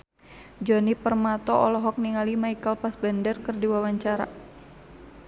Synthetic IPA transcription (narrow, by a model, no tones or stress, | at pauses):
d͡ʒɔnipərmat̪ɔɔlɔɦɔk̚niŋalimaikəlpasbandərkərdiwawaɲt͡ʃaɾa̰